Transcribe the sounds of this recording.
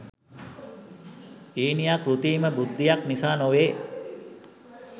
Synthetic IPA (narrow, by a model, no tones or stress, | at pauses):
iːnijaːkɾut̪iːməbud̪ʱːijaknisaːnoʋeː